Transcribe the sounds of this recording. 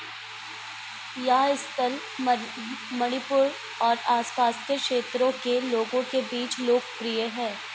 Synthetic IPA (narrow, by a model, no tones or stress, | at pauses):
jaːɪst̪əl | mɐɽ̃ipʊɾ | ɔːɾaːspaːskekʃeːt̪ɾõkeloːɡõkebiːt͡ʃloːk̚pɾijəɦɛ̃ː